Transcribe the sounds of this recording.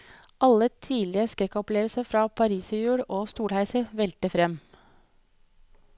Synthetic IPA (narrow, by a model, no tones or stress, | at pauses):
ʔɑlət̪ʰiːlɪəskɾɛkːɔpleːʋəlsəfɾɑːpʰɑɾiːsəjʉːɽoːst̪uːɽhæɪsəʋɛlt̪əfɾɛm